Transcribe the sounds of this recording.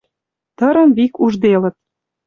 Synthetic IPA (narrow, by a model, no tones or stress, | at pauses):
t̪ɤ̆ɾə̆mβikuʒd̪elə̆t̪̚